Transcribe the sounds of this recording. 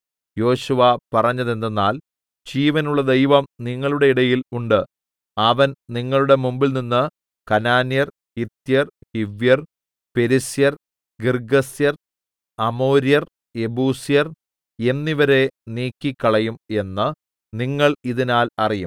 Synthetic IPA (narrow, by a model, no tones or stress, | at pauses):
jo̞ːɕuʋapɐrɐɲːɐðe̞nd̪enːaːl | d͡ʑiːʋɐnuɭːɐd̪e̞jʋɐmniŋːɐɭuɽe̞iɽɐjiluɳɖɨ | ɐʋɐnniŋːɐɭuɽe̞mumbilninːɨ | kɐnaːnjɐr | hit̪ːjɐrhiʋjɐr | pe̞ɾisjɐr | ɡirɡɐsjɐr | ɐmo̞ːɾjɐr | e̞buːsijɐr | enniʋɐɾe̞niːkːikːɐɭɐjume̞nːɨ | niŋːɐɭiðinaːlɐrijum